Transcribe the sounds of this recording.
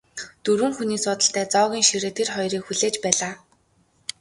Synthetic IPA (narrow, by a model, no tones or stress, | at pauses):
t̪uɾɘ̆ːŋxuniːsʊːt̪ə̆ɬt̪æːt͡sɔːɣʲiːŋʃiɾeːt̪ʰerχɔjɾiːkxuɮeːt͡ɕpæːɮaː